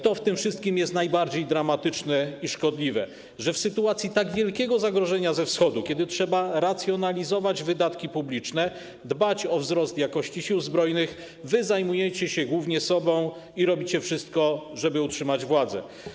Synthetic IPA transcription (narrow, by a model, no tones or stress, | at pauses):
t̪ɔft̪ɘmfʂɘst̪kʲimjɛst̪najbaɾd͡ʑejd̪ɾamat̪ɘt͡ʂnɛiʂkɔd̪lʲivɛ̰ | ʐɛfsɘt̪uat̪sʲjit̪aɡvʲjɛlkʲɛɡɔzaɡɾɔʐɛɲazɛfsxɔd̪ukʲjɛd̪ɘtʂɛbaɾat̪sʲjɔnalʲizɔvad͡ʑvɘd̪at̪kʲipublʲit͡ʂnɛ | d̪bat͡ɕɔvzɾɔst̪jakɔɕt͡ɕiɕiwzbɾɔjnɘx | vɘzajmujɛt͡ɕɛɕɛɡwuvɲɛsɔbɔ̃w̃ | iɾɔbʲit͡ɕɛfʂɘst̪̚kɔʐɛbɘutʂɘmad͡ʑvwad̪zɛ̰